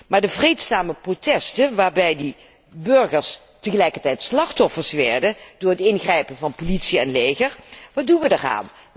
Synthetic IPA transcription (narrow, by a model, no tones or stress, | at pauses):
maːɹdəvrejtsaːməprotɛstənʋaːɹbɛjdi | bɵɹχəɹs | təχəlɛjkəɹtɛjtslɑχtɔfəɹsʋɛ̰ɹdəd̥ʊːɹɦətɪnχrɛjpənvɑnpolitsiɛnlejɣəɹʋɑdunʋədəra̰ːn